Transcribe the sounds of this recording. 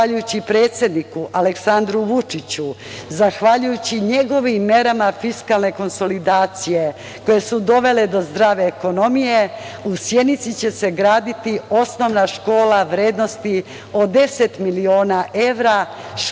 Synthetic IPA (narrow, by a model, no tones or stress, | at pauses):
aʎujut͡ɕipɾe̞ːt̪sʲje̞d̪nikuʔaleksand̪ɾuʋut͡ʂit͡ɕu | zaxʋaʎujut͡ɕiɲe̞ɡo̞ʋimːe̞ɾamafiskalne̞ko̞nso̞lid̪aːt̪sije̞ | ko̞je̞sud̪o̞ʋe̞le̞d̪o̞zd̪ɾaːʋe̞ːko̞no̞mije̞usjed̪nit̪sit͡ɕe̞se̞ɡɾaːd̪it̪io̞sno̞ʋnaʃko̞ːlaʋɾeːd̪no̞st̪i | o̞d̪e̞se̞t̪milio̞ːnaʔe̞ʋɾa